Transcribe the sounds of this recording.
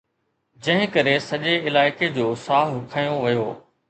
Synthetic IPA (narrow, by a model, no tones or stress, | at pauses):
d͡ʑɐ̃ɦɪ̃kɐɾesɐʄeɪlaːɪked͡ʑoːsaːɦʊkʰaːjoʋɐjoː